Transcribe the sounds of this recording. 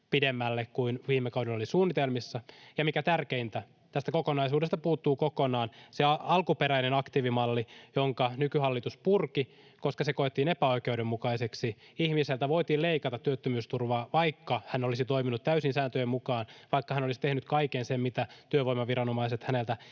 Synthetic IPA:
pidemːælːekkuinʋiːmːekɑwdeolisuːnːit̪elmisːɑjɑmikæt̪ærkeint̪æ | t̪æst̪ækokonɑisuːdest̪ɑpuːt̪ːuːkokonɑːnseɑɑlkupeɾæinenɑkt̪iːʋimɑlːijoŋkɑnykyhɑlːit̪uspurki | koskɑsekoet̪ːiːnepæo̞ikeudemːukɑiseksi | ihmiselt̪æʋo̞it̪iːlleikɑt̪ɑt̪ːyøt̪ːømyːst̪urʋɑːʋɑikːɑhænolisit̪oiminut̪t̪æysinsæːnt̪øjemukɑːnʋɑikːɑhænolisi̥t̪ehnyt̪kɑikensemmit̪æt̪yøʋoijmɑʋirɾɑnomɑiset̪hænelt̪æ

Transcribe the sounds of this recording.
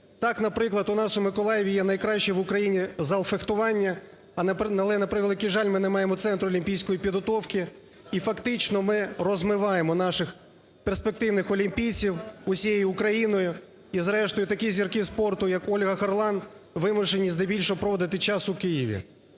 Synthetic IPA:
t̪ɑkn̪ɐpɾɪklˠɐd̪ʊnɑsʊmɪkɔlˠɑjeʋʲijɛnɐjkɾɑʃt͡ʃɛʋʊkɾɐjinʲizɐlˠfext̪ʊʋɑnʲːɐ | ɐlˠɛnɐpɾɪklˠɐkʲiʒɑlʲmɪnɛmɑjemɔt̪sɛnt̪ɾʊɔlʲimʲpʲijsʲkɔjipʲid̪ɦɔt̪ɔwkɪ | ifɐkt̪ɪt͡ʃnɔmɪrɔzmɪʋɑjemɔn̪ɑʃɪx | perspek̚t̪ɪwnɪxɔlʲimʲpʲijt͡sʲiwʊsʲijejʊʊkɾɐjinɔjʊ | izɾɛʃt̪ɔjʊt̪ɐkʲizʲirkɪspɔrt̪ʊjɐkɔlʲɦɐxɐrlˠɑnʋɪmʊʃenʲːiznɐjbʲilʲʃɔpɾɔʋɔd̪ɪt̪ɪt͡ʃɑsʊkɪjiʋʲḭ

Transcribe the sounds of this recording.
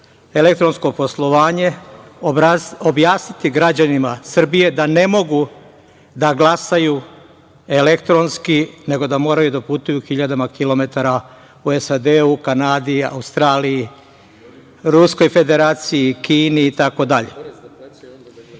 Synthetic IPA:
e̞lek̚t̪ɾo̞nsko̞po̞slˠo̞ʋaːɲe̞ | objaːsnit̪iɡɾad͡ʑanimasr̩bije̞d̪ane̞mo̞ɡu | d̪aɡlˠasaju | e̞le̞kt̪ɾo̞nskine̞ɡo̞d̪amo̞ːɾajud̪aput̪ujuxiʎad̪amakilo̞me̞t̪aɾa | uesad̪eukanaːd̪ia̰ust̪ɾaːliji | ɾusko̞jfe̞d̪e̞ɾaːt̪sijikiːniːt̪ako̞d̪aʎḛ

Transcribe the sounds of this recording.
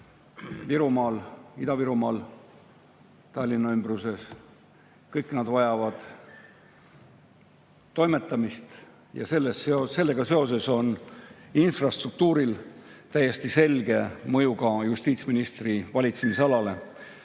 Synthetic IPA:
viɾumɑːlid̪̥ɑviɾumɑːl | t̪ɑlʲːinːɑymbruse̞s | kɤjkːˑnɑd̪vɑjɑvɑd̪̥ | t̪ːo̞jmet̪ˑːɑmist̪ | jɑ̰se̞lːesseose̞lːe̞ɡɑse̞o̞se̞so̞ninfrɑst̪ruk̚t̪uːɾilt̪æjːe̞st̪ise̞lɡe̞mɤ̞juɡɑjust̪iːt̪sminist̪rivɑlʲit̪semisɑlɑle̞

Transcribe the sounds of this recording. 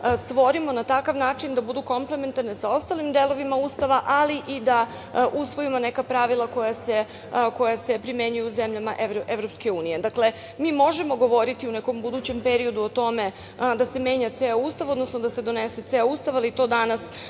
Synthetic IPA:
st̪ʋo̞ɾimo̞nat̪akaʋnaːt͡ʃind̪abud̪uko̞mple̞ment̪aɾnesao̞st̪alimd̪e̞lˠo̞ʋimaust̪aʋaʔaliʔid̪a | ʔusʋo̞imonekapɾaʋilˠako̞jase̞ | ko̞jase̞pɾimje̞ɲujuuzemʎamaʔeʋɾʔeʋɾo̞pske̞uːnije̞d̪akle̞ | mimo̞ʒe̞mo̞ɡo̞ʋo̞ɾit̪iuneko̞mbud̪uːt͡ɕe̞mpe̞ɾio̞d̪uot̪o̞me̞ | d̪ase̞me̞ːɲat̪seaust̪aʋo̞d̪no̞snod̪ase̞d̪o̞nese̞t̪eaust̪aʋalit̪o̞ːd̪anas

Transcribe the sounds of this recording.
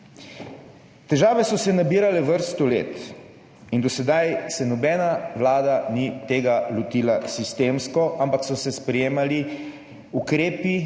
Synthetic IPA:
t̪ɛʒaːʋɛsɔsɛnabiːɾalɛʋəɾst̪ɔlḛːt̪ | ind̪ɔsɛd̪ajsɛnɔbɛːnaʋlaːd̪anit̪eːɡalɔt̪iːlasist̪eːmskɔʔampaksɔsɛspɾɛjeːmali | ukɾeːpi

